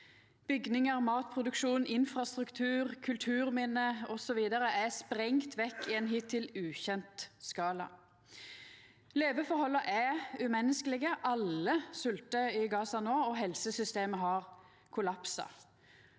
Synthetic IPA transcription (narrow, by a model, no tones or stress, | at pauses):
b̥ʏɡnɪŋəʁmɑːt̪pʰʁʊd̪ʉkʃuːnɪnfɾɑst̪ʁʉkt̪ʰʉːʁkʰʉlt̪ʰʉːʁmɪnːəɔsɔʋiːd̪əɾəʔæspʁɛŋt̪ʰʋɛkːɪeːnɦit̪ʰːɪlʉːçɛnt̪skɑːlɑ̰ | leːʋəfɔhɔlːəʔɛʉmɛnːəskəlɪɡəʔɑləsʉlt̪əɪɡɑːsɑnoːɔɦɛlsəsʏst̪eːməɦɑʁ | kʰʊlɑpsɑ̰